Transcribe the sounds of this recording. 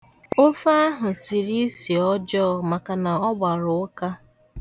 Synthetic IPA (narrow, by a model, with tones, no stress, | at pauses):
o˦fa˦ɦʊ˨si˨ɾi˦si˨ɔ˦d͡ʒɔ˦˨ma˨ka˨na˨ɔ˦ɡ͡ba˨ɾʊ˨˦ka˦